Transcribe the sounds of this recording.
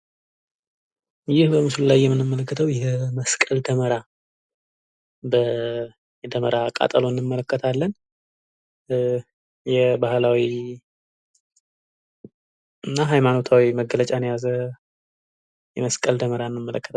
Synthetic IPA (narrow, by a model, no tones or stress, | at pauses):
jɪhbəmɨslulajːɛmːɨnːɨmːələkːət̪ʰəwjɛməskʼəld̪əməɾa | bə | jɛd̪əməɾakʼa̰t̪ʼəloɨnːɨmːələkːət̪ʰalːən | jɛbahlawi | ɨnːaɦajmano̞t̪ʰawiməɡələt͡ʃʼanjazə | jɛməskʼəld̪əməɾaɨnːɨmːələkːət̪ʰ